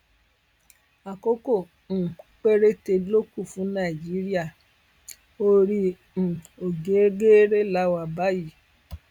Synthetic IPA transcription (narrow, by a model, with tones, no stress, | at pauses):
a˨ko˦kõ˦˨˦ | k͡pe˦ɾe˦te˧lo˦ku˦˨fũ˨˦nã˦˨d͡ʒi˨˦ɾi˦a˦˨ | o˦ɾĩ˦˨ | o˨ɡe˨˦e˦ɡe˦ɾe˦la˦wa˨ba˦ji˦˨